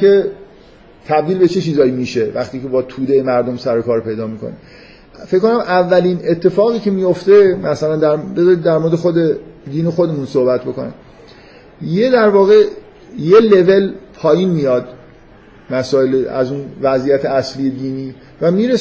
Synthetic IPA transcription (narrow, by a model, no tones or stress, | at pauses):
e | t̪ʰæb̚d̪iːlbe̞t͡ʃʰet͡ʃʰiːzɒːjimiːʃe̞væxt̪iːce̞bɒːt̪ʰuːd̪ejemæɾd̪o̞msæɾo̞kʰɒːɾpe̞jd̪ɒːmiːkʰo̰nḭm | fekːkːo̞næmʔævːæline̞t̪ʰːe̞fɒːɣiːce̞mijo̞ft̪e̞mæsælænd̪æɾd̪æɾmoɾd̪exod̪ed̪iːnoxo̞d̪e̞munso̞hbæt̪̚ʰbo̞konæ̰m | jed̪æɾvɒːɣe̞ | je̞le̞ve̞lpʰɒːjiːnmijɒːd̪ | mæsɒːeleæ̰zuːnvæzijæt̪ʰeæslije̞d̪iːniː | væmiːɾe